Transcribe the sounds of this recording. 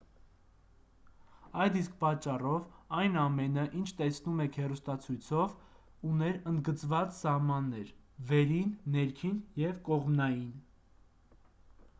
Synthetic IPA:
ɑjd̪isk̚pɑt͡ʃːɑrɔvɑjnɑmɛnəʔint͡ʃʰt̪ɛsnumɛkʰhɛrust̪ɑt͡sʰujt͡sʰɔv | unɛɾənd̪ɡət͡svɑt͡ssɑhmɑnːɛɾvɛɾinːɛɾkʰinjɛvkɔʁmnɑjin

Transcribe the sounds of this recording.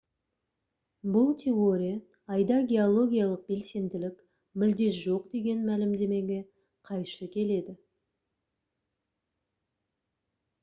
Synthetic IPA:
bʊlˠt̪ʲʰe̞oɾʲij | ɑjd̪ɑɡʲe̞olˠo̞ɡʲijalˠəq̚be̞lse̞nd̪ɪlɪk | mʏld̪e̞s̬ʒo̞qd̪e̞ɡʲe̞nmælɪmd̪e̞me̞ɡʲe̞ | qʰɑjʃəkʲʰe̞le̞d̪ɪ

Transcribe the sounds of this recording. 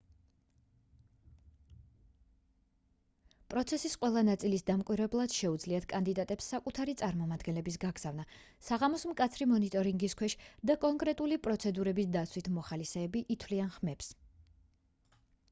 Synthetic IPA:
pʼɾɔt̪sʰɛsisqʼwɛlˠanat̪sʼilisd̪amkʼwiɾɛblˠad̪̥ʃɛud̪zliat̪ʰkʼand̪id̪at̪ʼɛpsːakʼut̪ʰaɾit̪sʼaɾmɔmad̪ɡɛnlɛbis̬ɡaɡz̥avna | saʁamɔsmkʼat̪sʰɾimɔnit̪ʼɔɾiŋɡiskʰwɛʃd̪akʼɔŋkʼɾɛt̪ʼulipʼɾɔt̪sʰɛd̪uɾɛbisd̪at̪sʰwit̪ʰmɔχalisɛːbiʔit̪ʰwlianχmɛps

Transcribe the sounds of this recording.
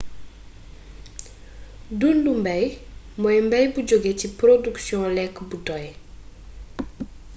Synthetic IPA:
dundumbɛj | mɔjmbɛjbuɟoɡecipɾoduksjɔ̃lɛkːbudɔj

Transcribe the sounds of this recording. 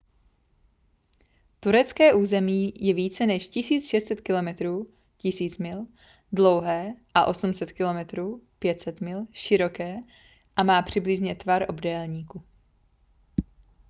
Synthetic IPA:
t̪uɾɛt͡skɛːʔuːzɛmiːjɛviːt͡sɛnɛʃcɪsiːt͡sʃɛst̪t͡sɛt̪kɪlo̞mɛt̪ɾuː | cɪsiːt͡smɪl | dlo̞wɦɛːʔaʔo̞sumsɛt̪kɪlo̞mɛt̪ɾuːpjɛt̪sɛt̪mɪlʃɪɾo̞kɛː | ʔamaːpr̝̥ɪblɪʒɲɛt̪vaɾʔo̞bdɛːlɲiːku

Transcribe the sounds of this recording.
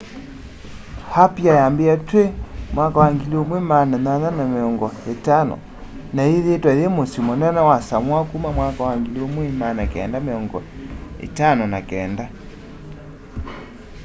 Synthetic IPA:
hapjajambeatwemwakawaŋɡiliomwemananananameɔŋɡɔetanɔ̰ | naeðetwaðemosimɔnɛnawasamwakumamwakawaŋɡiliomwemanakɛ̰ːndameɔŋɡɔḛtanɔnakɛːnda

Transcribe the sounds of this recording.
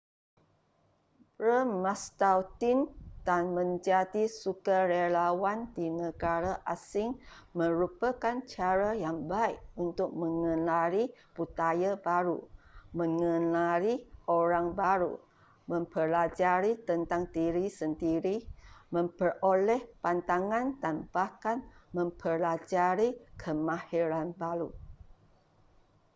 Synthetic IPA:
pɾəmast̪awt̪ind̥anmə̃ɲd͡ʒadisukarelawandinəɡaɾaʔasɪŋ | mə̃ɾupakant͡ʃaɾajaŋbaik̚unt̪ʊk̚mə̃ŋə̃naɾiput̪ajabaɾumə̃ŋənaɾiʔoɾaŋbaɾṵ | mə̃mpəlad͡ʒaɾit̪ənt̪aŋt̪iɾisənd̪iɾimə̃mpərolɛhpant̪aŋãndanbahkanmə̃mpəlad͡ʒaɾikʰəmãhiɾanbaɾu

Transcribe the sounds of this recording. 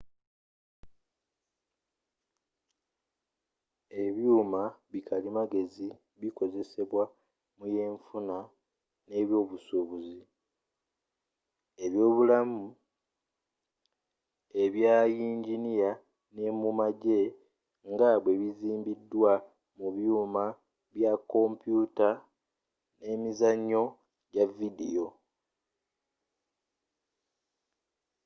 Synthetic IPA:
e̞βjuːmaβikʰalimaɡe̞zi | βiko̞ze̞se̞βwa | muje̞ːɱfuna | ne̞βjo̞ːβusuβuzi | e̞βjo̞ːβulamu | e̞βjaːjiːɲɟinija | ne̞mumaɟe̞ | ŋɡaβwe̞βiziːmbidːwa | muβjuːma | βjakːo̞mpjuta | ne̞mizaɲːo̞ | ɟavidḭjo̞

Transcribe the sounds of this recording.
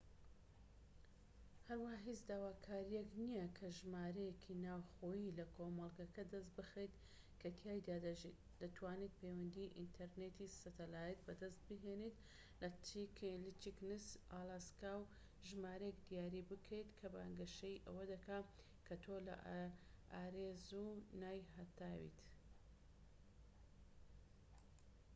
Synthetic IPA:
hɐɾwahaɦit͡sd̪aːwaːkʰaːɾijɛknijɐkʰɐʒmaːɾɐjekʰinaːwxoːjilɐkʰoːmɐlˠɡɐkɐd̪ɐs̬t̪̚bɨxejt̪ | kʰɐt̪ʰjaːjd̪aːd̪ɐʒit̪ | d̪̥ɐt̪ʰwaːnet̪̚pʰewɐnd̪iʔḭnt̪ʰɐɾnet̪isɐt̪ʰɐlaːjɛt̪̚bɐd̪ɐst̪̚bɨɦeːnet̪ | lɐt͡ʃiklit͡ʃiknɨsaːlaskaːw | ʒɨmaːɾɐjekd̪ijaːɾiːbɨkʰejt̪kʰɐba̰ːŋɡɐʃɐjʔɐ̰wɐd̪ɐka | kʰɐt̪ʰoːlɐ̰ʔʔaːɾezunaːjhɐt̪aːwḭt̪

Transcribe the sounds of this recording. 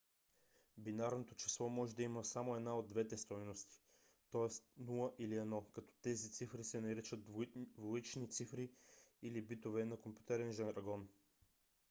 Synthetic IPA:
binaɾnot̪ot͡ʃi̥slˠɔmɔʒɛd̪ɐiməsamoɛd̪naod̪ːvɛt̪ɛst̪ɔjnost̪i̥ | t̪ɔɛst̪nulˠəʔiliɛd̪nɔkɐt̪ɔ̥t̪ɛzit̪sifɾisɛnɐɾɛt͡ʃət̪voit͡ʃnit̪sifɾiilibit̪ovɛnɐkompʲju̥t̪ɛɾɛnʒɛnɾɐɡɔn

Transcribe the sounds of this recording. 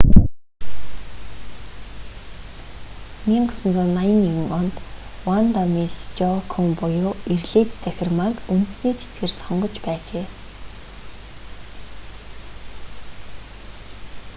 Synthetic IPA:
miːɴɢɔsɞ̆nt͡sʊːnːajə̆njiwɘ̆ŋɔnt̪ | want̪ɔmist͡ɕɔkʰuŋpʊjʊːirɮiːt̪t͡sæxʲɪ̆rmakunt̪ɘ̆sniːt͡sʰe̥t͡sɡĕːrsɔɴɢɞ̆t͡ɕpæːt͡ɕeː

